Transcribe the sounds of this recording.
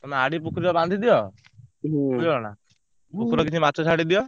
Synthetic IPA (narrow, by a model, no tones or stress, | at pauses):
t̪ɔmɛaɽip̬ukʰɾibɔbãnd̪ʱid̪ijɔ | uɔna̰ | pukʰɾɔkit͡ʃʰimat͡ʃʰɔt͡ʃʰaɽid̪ijɔ